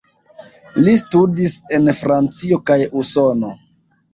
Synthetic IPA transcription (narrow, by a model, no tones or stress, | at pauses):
listudise̞nfɾant͡sio̞kajuso̞no̞